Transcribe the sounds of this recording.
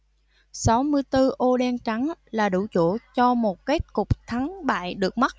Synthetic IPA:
sa˨˦wmɨ˧əjt̪ɨ˧ʔo˧ɗɛ˧nt͡ɕa˨˦ŋlaː˨˩ɗṵ˧˩t͡ɕṵ˧˩t͡ɕɔ˧mo˨˩t̚ke˦˥t̚kʊ˨˩k͡p̚t̪ʰa˨˦ŋɓa̰ː˧˨jɗɨ˨˩ək̚ma˦˥t̚

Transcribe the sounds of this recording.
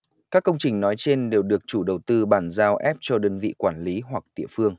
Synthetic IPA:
kaː˦˥kːə˧wŋ͡mt͡ɕï˨˩ŋ̟nɔ˨˦jt͡ɕe˧nɗe˨˩wɗɨ˨˩ək̚t͡ɕu˧˩ɗə˨˩wt̪ɨ˧ɓaː˧˩nzaː˧wʔɛ˦˥p̚t͡ɕɔ˧ɗəː˧nvḭ˧˨kwaː˧˩nli˨˦ɦwa˨˩k̚ɗḭ˧˨əfɨ˧əŋ

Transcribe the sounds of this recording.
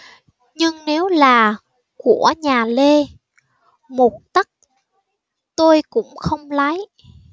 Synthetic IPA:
ɲɨ˧ŋne˨˦wlaː˨˩ | ku˧˩əɲaː˨˩le˧ | mo˨˩t̚t̪ə˦˥k̚ | t̪o˧jkʊ̰˧˥ŋ͡mxə˧wŋ͡mla˨˦j

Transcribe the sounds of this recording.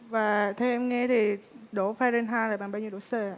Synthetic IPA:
vaː˨˩t̪ʰɛ˧ʔɛ˧mŋɛ˧t̪ʰi˨˩ɗo˧˦faː˧ɾə˧nɦaː˧laː˨˩ɓaː˨ɓaː˧wi˧ɗo˧˨˦səː˧˩˨

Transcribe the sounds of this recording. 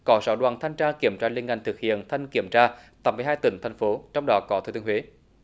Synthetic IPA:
kɔ˨˦saː˧˩ɗwaː˨˩nt̪ʰa˧jŋ̟t͡ɕaː˧ki˧˩əmt͡ɕaː˧li˧ənŋa˧˩jt̪ɨ˨˩k̚hḭ˧˨ənt̪ʰa˧jŋ̟ki˧˩əmt͡ɕaː˧t̪a˨˩mɨ˨˩jɦaː˧jt̪ï˧˩ŋ̟t̪ʰjŋ̟fo˨˦t͡ɕɔ˧wŋ͡mɗɔ˨˦kɔ˨˦t̪ʰu˧˩t̪i˧hwe˨˦

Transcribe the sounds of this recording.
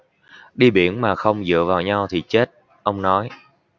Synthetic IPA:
ɗi˧ɓi˧˩ənmaː˨˩xə˧wŋ͡mzɨ̰˧˨əvaː˨˩wɲa˧wt̪ʰi˨˩t͡ɕe˦˥t̚ | ʔə˧wŋ͡mnɔ˨˦j

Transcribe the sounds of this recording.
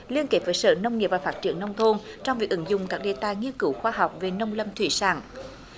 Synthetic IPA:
li˧ənke˨˥p̚vəː˨˦jsə̰ː˧˨˦nə˧wŋ͡mŋi˨˩pvaː˨˩faː˦˥t̚t͡ɕḭ˧˩əŋːə˧wŋ͡mt̪ʰo˧nt͡ɕɔ˧wŋ͡mvi˨˩ək̚ʔɨ˧˦ŋzʊ˨˩ŋ͡mkaː˦˥k̚ɗe˧˩t̪a̰ː˧˨jŋi˧ənkɨ˧˩˦wxwaː˧ɦa˨˩wk͡p̚ve˨˩nə˧wŋ͡mlə˧mt̪ʰwḭ˧˩˦sa̰ː˧˩ŋ

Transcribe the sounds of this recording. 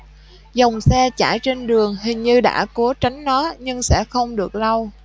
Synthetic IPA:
za˨˩wŋ͡msɛ˧t͡ɕa̰ː˧˩jt͡ɕe˧nɗɨ˨˩əŋɦï˨˩ŋ̟ɲɨ˧ɗa̰ː˧˥ku˨˦t͡ɕa˨˦jŋ̟nɔ˨˦ɲɨ˧ŋsɛ̰˧˥xə˧wŋ͡mɗɨ˨˩ək̚la˧w

